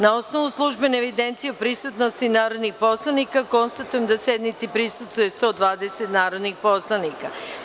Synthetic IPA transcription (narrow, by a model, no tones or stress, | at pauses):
nao̞sno̞ʋuslˠuʒbeneeʋid̪ent̪sijeopɾisut̪nost̪inaːɾo̞d̪nixpo̞slˠanikako̞nst̪at̪uje̞md̪asjed̪nit̪sipɾisust̪vuje̞st̪o̞d̪ʋaːd̪eset̪naːɾo̞d̪nixpo̞slˠanika